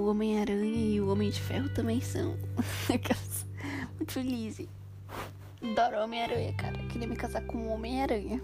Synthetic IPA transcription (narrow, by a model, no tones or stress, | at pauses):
ʊõmẽj̃aɾɐ̃ɲɐɪʊõmẽj̃d͡ʒɪfɛ̰ɦʊt̪ɐ̃mbẽj̃sɐ̰̃w̃ekɛsmũt̪ʊ̥felizɪ | d̪ɔɾõmẽj̃aɾɐ̃ɲɐ̰ka̰ɾɐkɪɾiɐmɪkazakõũõmẽj̃aɾɐ̃ɲɐ